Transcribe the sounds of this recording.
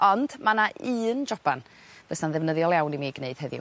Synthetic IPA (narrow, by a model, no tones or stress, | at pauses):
ɔnd̥manaʔɨːnd͡ʒɔb̥an | v̥əsanðɛvnəðjɔlˠjawnimiɡneɨd̥hɛðj̰